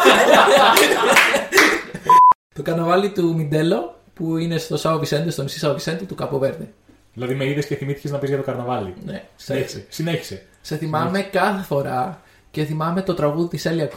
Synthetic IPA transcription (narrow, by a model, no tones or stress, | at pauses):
t̪o̞kɐɾnɐvɐlit̪umind̪e̞lo̞ | puine̞st̪o̞sɐovisend̪est̪onisisɐovisend̪et̪ukɐpoveɾðe | ðilɐðime̞iðesce̞θimiθi̥ceznɐpizʝɐt̪okɐɾnɐvɐlḭnesessineçi̥se | se̞θimɐme̞kɐθe̞fo̞ɾɐ | ce̞θimɐme̞t̪o̞t̪ɾɐɣuðitiseliɐk